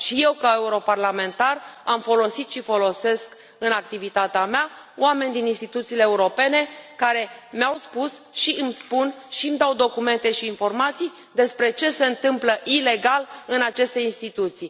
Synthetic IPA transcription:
ʃije̞wkae̞uɾo̞parlame̞nt̪aramfo̞lo̞sit̪ʃifo̞lo̞se̞sk | ɨnak̚t̪ivit̪at̪eamea | o̰ame̞nʲd̪ininst̪it̪ut̪siːleːuɾo̞pe̞ne̞kaɾe̞meawspusʃiʔɨmspunʃimd̪awd̪o̞kume̞nt̪e̞ʃiːnfo̞rmat̪sij | d̪e̞spɾe̞t͡ʃe̞se̞ɨnt̪ɨmpləʔile̞ɡalɨnat͡ʃe̞st̪e̞inst̪it̪ut̪sij

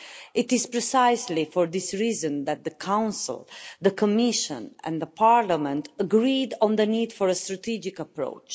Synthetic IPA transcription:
ʔɪt̪ɪz̥pɹɛsajslifɔɹd̪isɹizə̃nd̪æt̪̚ðəkʰãw̃nsə̰lˠðəkʰəmɪʃə̰̃nɛ̰̃nd̪əpʰaɹlamɛ̃nt̪əɡɹid̪ɔ̃nðənid̪fɔɹəst̪ɾat̪id͡ʒɪkəpɹo̰ʊt͡ʃ

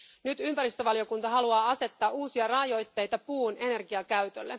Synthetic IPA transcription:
nyt̪ympæɾist̪øʋɑlio̞kunt̪ɑɦɑluɑːɑse̞t̪ːɑːʔuːsiɑrɑːjo̞jt̪ːe̞jt̪ɑpuːne̞ne̞rɡiɑkæɥt̪ølːe̞̰

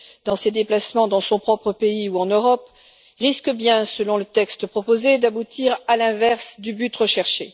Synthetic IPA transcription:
d̪̥ɑ̃sed̪eplasmɑ̃d̪ɑ̃sɔ̃pχɔpχəpeiuɑ̃nøʁɔp | ʁiskəbjɛ̃səlɔ̃lət̪ɛkst̪əpχɔpozed̪abut̪ʰiʁalɛ̃vɛʁsd̪ybyt̪ʁəʃɛʁʃḛ

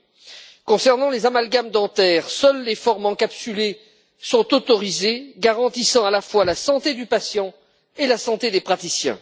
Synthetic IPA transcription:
kɔ̃sɛʁnɑ̃lezamalɡamd̪ɑ̃t̪ɛːʁsœlːefɔʁmɑ̃kapsyle | sɔ̃t̪ot̪ɔʁizeɡaʁɑ̃t̪isɑ̃alafwalasɑ̃t̪ed̪ypasjɑ̃ | elasɑ̃t̪ed̪epχat̪isjɛ̰̃

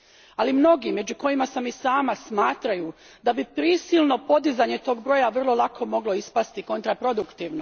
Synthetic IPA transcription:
alimno̞ɡime̞d͡ʑuko̞jimasamisaːmasmaːt̪ɾaju | d̪abipɾiːsilˠno̞po̞d̪izaɲe̞t̪o̞ːɡbɾo̞ːjaʋr̩lˠo̞lˠakʰo̞mo̞ɡlo̞ispast̪iko̞nt̪ɾapɾo̞d̪ukt̪iːʋno

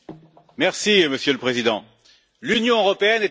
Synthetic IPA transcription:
mɛʁsiməsjøləpχezid̪ɑ̃ | lynjɔ̃øʁɔpeɛnɛ

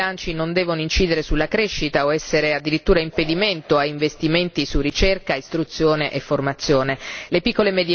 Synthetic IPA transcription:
ant͡ʃinond̪ɛːvonoint͡ʃiːd̪eɾesulːakɾeʃːit̪aoɛsːeɾead̪ːiɾit̪ːuːɾaimped̪iment̪oaiɱvest̪iment̪isurːit͡ʃerkaist̪ɾut̪sːjoːneʔefːormat̪sːjoːnelepikːolemed̪

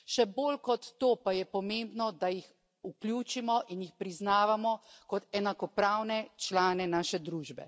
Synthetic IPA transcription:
ʃɛboːlkɔt̪ːoːpajɛpɔmembnɔd̪ajix | ukljuːt͡ʃimɔʔinjixpɾiznaːʋamɔkɔt̪ɛnakɔpɾawnɛt͡ʃlaːnɛnaːʃɛd̪ɾuːʒbɛ̰

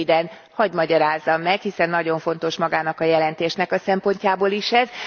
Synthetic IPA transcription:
id̪ɛn | hɒɟmɒɟɒɾaːzːɒmːɛkhisɛnːɒɟo̞ɱfo̞n̪t̪o̞ʃmɒɡaːnɒkɒjɛlɛnt̪eːʃnɛkɒsɛmpo̞ɲcaːboːliʃɛz

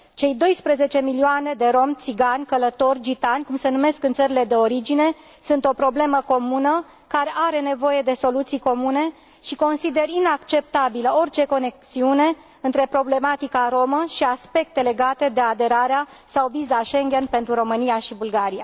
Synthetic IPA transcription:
t͡ʃe̞jd̪o̞jspɾeze̞t͡ʃe̞milioane̞d̪e̞ɾo̞mt̪siɡanʲkələt̪o̞rʲd͡ʒit̪anʲkumse̞nume̞skɨnt̪səɾile̞d̪e̞o̞ɾid͡ʒine̞ | sunt̪o̞pɾo̞ble̞məko̞munə | kaɾe̞ʔaɾe̞ne̞vo̞je̞d̪e̞so̞lut̪sijko̞mune̞ | ʃiko̞nsid̪e̞rinakt͡ʃe̞p̚t̪abiləo̞rt͡ʃe̞ko̞ne̞k̚siune̞ | ɨnt̪ɾe̞pɾo̞ble̞mat̪ikaɾo̞məʃiaspe̞k̚t̪e̞le̞ɡat̪e̞d̪e̞ad̪e̞ɾaɾea | sawvizaʃe̞ŋɡʲe̞npe̞nt̪ɾuɾo̞mɨnijaʃibulɡaɾija

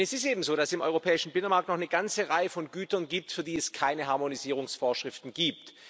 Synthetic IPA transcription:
ɛsɪstʔeːbm̩zoːɾasɪmʔɔ̰ʏʁopʰɛːɪʃn̩bɪnənmaɐk̚tnɔχnəɡant͡səʁaɪəfɔnɡyːtɐnɡiːp̚tfyːɐdiːɛskʰaɪnəɦaɐmoniziːʁ̞ʊŋsfoːɐʃʁ̥ɪftn̩ɡiːp̚t

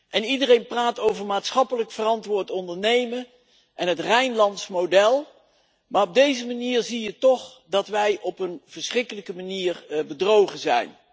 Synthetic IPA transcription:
ʔɛnidərejnpraːtowvəɹmaːtsχɑpələkfərɑntʋʊːɹtɔndəɹnejmə | ʔɛnɦətrɛjnlɑntsmodɛlˠ | maːrɔb̚dejzəmaniːɹzijətɔχdɑtʋɛjʔɔpənv̥əɹsχrɪkələkəmaniːrbədrowχəzɛ̰jn

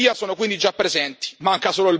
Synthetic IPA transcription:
iːasoːnokwind̪id͡ʒapːɾezɛnt̪i̥maŋkasoːloil

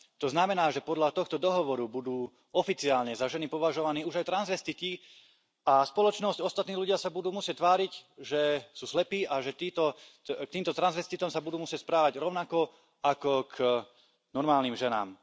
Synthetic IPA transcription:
t̪ɔznamɛnaːʒɛpɔd̪lʎat̪ɔxt̪ɔd̪ɔɦɔʋɔɾubud̪uː | ɔfit͡siaːlɲɛzaʒɛnipɔʋaʒɔʋaniːuʒajt̪ɾanzʋɛst̪it̪i | aspɔlɔt͡ʃnɔscɔst̪at̪niːluɟɪasabud̪uːmusɪɛc̚t̪ʋaːɾicʒɛsuːslɛpiːaʒɛt̪iːt̪ɔ | k̚t̪iːmt̪ɔt̪ɾanzʋɛst̪it̪ɔmsabud̪uːmusɪɛcspɾaːʋaɟɾɔʊnakɔ | akɔk | nɔɾmaːlniːmʒɛna̰ːm

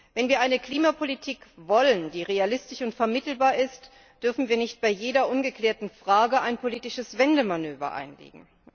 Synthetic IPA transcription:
vɛnviːɐaɪnəkl̥iːmapʰolitʰiːkvɔlənd̥iːʁealɪstɪçʊntfɛɐmɪtl̩baːɐɪst | d̥ʏɐfn̩viːɐnɪçt̚b̥aɪjeːdɐʔʊnɡəkl̥ɛːɐtn̩fʁ̥aːɡəʔaɪnpʰoliːtɪʃəsv̥ɛndəmanøːvɐ̰ʔa̰ɪnlḛːɡŋ̩

